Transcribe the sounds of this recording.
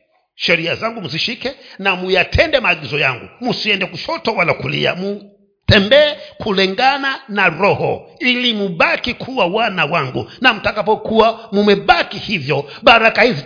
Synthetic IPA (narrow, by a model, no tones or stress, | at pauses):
ʃɛɾiazaŋɡumuziʃikɛnamujatʰɛndɛmaːɠizɔjaŋɡṵmusiɛndɛkuʃɔtɔwalakulḭa̰mu | tɛmbɛːkʰulɛŋɡananaɾɔhɔ̰ilimuɓakikʰuwawanawaŋɡṵnam̩takapɔkuwamumɛɓakihivjɔɓaɾakahizi